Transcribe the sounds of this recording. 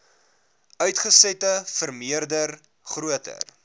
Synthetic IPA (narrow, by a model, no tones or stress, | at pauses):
œɥtχəsɛtəfərmiərdər | χruətə̰r